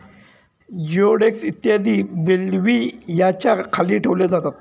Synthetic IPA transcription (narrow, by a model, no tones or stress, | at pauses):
joɽeksit̪ːjad̪iːbelʋijat͡ɕaɾkʰaliːʈʰeʋlad͡zat̪at̪̚